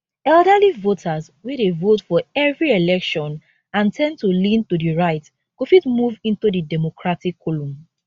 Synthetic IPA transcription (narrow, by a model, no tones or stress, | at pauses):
ɛldalivotʰaz | wedevotfɔɛvɹielɛkʃɔ̃n | ãntʰɛ̃ntulĩntudiɹaɪt | kufitmuvĩntudidɛmokʰɹatikʰːolũm